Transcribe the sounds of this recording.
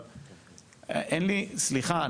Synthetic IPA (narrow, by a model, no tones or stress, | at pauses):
ʔenlisliχa